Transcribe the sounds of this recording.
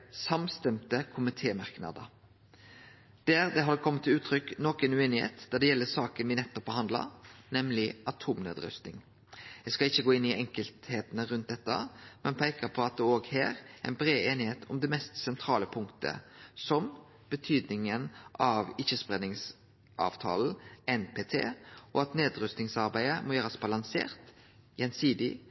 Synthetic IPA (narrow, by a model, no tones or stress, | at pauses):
sɑmst̪ɛmt̪əkʰʊmɪt̪ʰeːmɑʁknɑ̰d̪ə̰ | d̪̥æːɾd̪ɛɦɑd̪əkʰɔmːət̪ʰːɪlʉːt̪ʰɾʏknoːkənʉeːnɪhḛːt̪d̪̥æɖ̪ɛjɛlːəsɑːkənʋɪnɛt̪ːɔp̚ːbəhɑnd̪lɑ̰nɛmlɪʔɑt̪ʰuːmnø̰ːd̪ɾœ̰st̪nɪ̰ŋ | jæskɑlɪçːəɡoːɪnːɪʔɛŋkəlt̪heːt̪ənəɾʉnt̪̚d̪ɛt̪ːɑ̰mɛnpʰæɪkəpʰɔɑt̪̚d̪ɛoːɡhæːɾæ̰ɪnbɾeːeːnɪheːt̪ʰɔmd̪ɛmɛst̪sɛnt̪ʰɾɑːləpʰʊŋkt̪ʰə̰sɔm | b̥ət̪ʰyːd̪nɪŋənʔɑʋɪçəspɾɛnɪŋs | ʔɑ̰ːʋt̪ʰɑ̰ːln̩ɛnpʰeːt̪ʰḛːʔɔɑt̪neːd̪ɾʉst̪ɪŋsɑɾbæɪəmɔjøːɾəsbɑlɑŋsḛːɾt̪ | jɛnsiːd̪ɪ